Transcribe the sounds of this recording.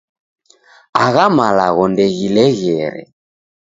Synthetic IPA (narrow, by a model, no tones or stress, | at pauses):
aɣamalaɣɔndɛɣilɛɣɛɾɛ̰